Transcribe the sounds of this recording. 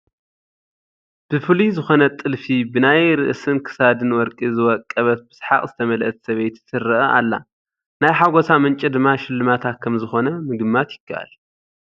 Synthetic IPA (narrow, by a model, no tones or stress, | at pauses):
b̥ɨfɨlizɨxo̞nɐt̪ʼɨlfibɨnajɾɨʔɨsɨnkʰɨ̥sad̪ɨnwɔɾkʼizɨwɔkʼːɐβɐt̪̚bɨ̥sħa̰qʼzɨt̪ʰɐmɐlʔɐt̪sɐβejt̪sɨɾɨʔɐʔalːa | najħaɡo̞samɨnt͡ʃʼid̪ɨmːaʃɪlːɨmat̪ʰat̪̚kʰːɐmzɨxo̞nɐmɨɡɨmːat̪jɪɡʰːa̰ʔa̰l